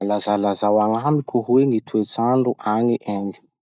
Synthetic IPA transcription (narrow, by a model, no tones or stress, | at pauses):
lazalazawaŋamikʲuɦwenit̪ʰuet͡saɳɖ͡ʐuʔaniʔani̥